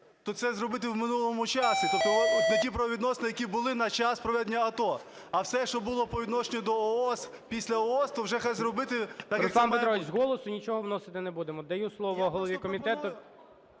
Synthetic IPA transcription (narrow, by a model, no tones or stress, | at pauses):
t̪ɔt̪sɛzrɔbɪt̪ɪwmɪnulˠɔmʊt͡ʃɑsʲit̪ɔp̚t̪ːɔt̪j̪ɐkʲipɾɐʋɔʋʲid̪nɔsenɪjɐkʲibʊlˠɪnɐt͡ʃɑspɾɔʋɛd̪enʲːɐɐt̪ɔ | ɐwsɛʃt͡ʃɔbʊlˠɔpɔʋʲid̪nɔʃenʲɔd̪ɔɔɔs | pʲisʲlʲɐɔɔst̪ɔwʒɛxajzɾɔbɪt̪ɪt̪ɐkɾɛlɑnpeɾɔʋʲit͡ʃʲzɦɔlˠɔsʊnʲit͡ʃɔɦɔwnɔsɪt̪ɪnebud̪emɔd̪ɐjuslˠɔʋɔːɦɔlˠɔʋʲikɔmʲit̪ɛt̪ʊ